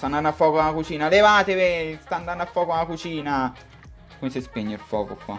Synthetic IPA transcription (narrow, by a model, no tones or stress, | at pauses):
t̪and̪anːafːɔːkoalakut͡ʃiːnalevaːt̪evest̪and̪anːafːɔːkoalakut͡ʃiːna | komesɪspeɲːelfɔːko̰kwa̰